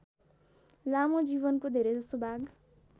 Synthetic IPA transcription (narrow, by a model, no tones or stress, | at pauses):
lamod͡ʒiβʌnkod̪ʱeɾed͡zʌsobʱaɡ